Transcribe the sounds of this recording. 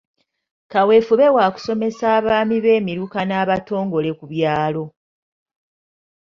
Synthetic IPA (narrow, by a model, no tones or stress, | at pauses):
kawe̞fuβe̞waːku̥so̞me̞saːβaːmiβe̞ːmiɾukanaːβato̞ːŋɡo̞le̞kuβjaːlo̞